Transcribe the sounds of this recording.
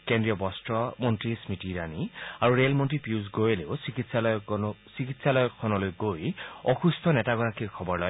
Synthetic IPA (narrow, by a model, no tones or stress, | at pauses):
kendɹiɔbɔstɹɔmɔntɹismitiɹaniaɹuɹelmɔntɹipiuz̬ɡojeleʊsikitsalɔsikitsalɔjɔkʰːɔnɔlojɡojɔxustʰɔnɛtaɡɔɹakikʰɔbɔɹlɔj